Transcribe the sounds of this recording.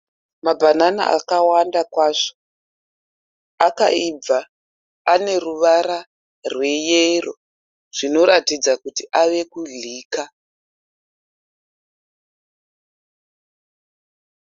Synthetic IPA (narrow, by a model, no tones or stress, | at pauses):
mabʱanana̰ʔa̰kawandakwaːʂo | akaib͡vaː | ne̞ruʋaɾa | rwe̞jero | ʐ̥ino̞ɾatid͡zakutiʔaʋe̞kuɮiːka